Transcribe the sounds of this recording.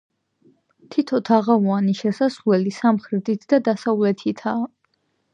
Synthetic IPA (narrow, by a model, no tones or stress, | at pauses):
t̪ʰit̪ʰɔt̪ʰaʁavaniʃɛsaslɛlisamχɾid̪it̪ʰd̪ad̪asavlɛt̪ʰit̪ʰaː